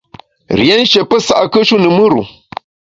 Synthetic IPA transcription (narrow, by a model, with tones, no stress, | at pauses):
ɾḭ˨e˦n˦ʃe˨pə˦sa˨ʔa˨kə˦ʃu˦nɨ˨mɨ˦ɾṵ˨